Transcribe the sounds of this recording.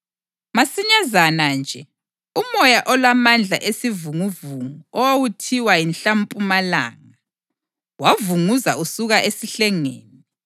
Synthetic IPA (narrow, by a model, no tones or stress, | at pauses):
masiɲazanand͡ʒʱɛ | umɔjaʔɔlwamand͡ɮʱa̰ʔesivuŋuvuŋuɔwawutʰiwainɬampʼumala̰ːŋa | wavuŋuzausuɣaʔesiɬɛŋḛːni